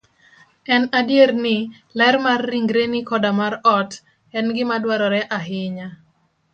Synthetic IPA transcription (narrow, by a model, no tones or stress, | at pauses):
ɛnadjeɾnɪ | lɛɾmarːiŋɡɾenikɔdamaɾɔt | ɛnɡɪmadwaɾɔɾɛʔaɦɪɲa